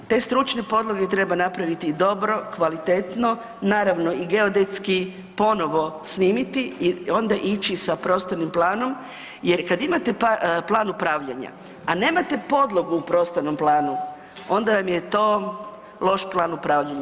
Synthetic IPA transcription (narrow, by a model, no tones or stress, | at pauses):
t̪e̞ːst̪ɾut͡ʃnepo̞d̪lˠoɡet̪ɾe̞banapɾaʋit̪id̪o̞bɾo̞kʋalit̪et̪no̞ | naːɾaʋno̞iɡe̞od̪e̞t̪ski | po̞no̞ʋo̞sniːmit̪iio̞nd̪aʔit͡ʃisapɾo̞ːst̪onimplaːno̞m | je̞ɾkad̪imat̪e̞paplˠaːnupɾaːʋʎaɲa̰ | ane̞ːmat̪e̞po̞d̪lˠoɡuːpɾo̞st̪ono̞mplˠaːnu | o̞nd̪aʋamjet̪o̞ː | lˠo̞ʃplˠaːnupɾaːʋʎaɲa